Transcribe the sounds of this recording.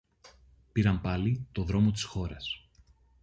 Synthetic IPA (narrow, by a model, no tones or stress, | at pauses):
piɾɐmpɐlit̪o̞ðɾo̞mo̞t̪̬i̥sxo̞ɾɐs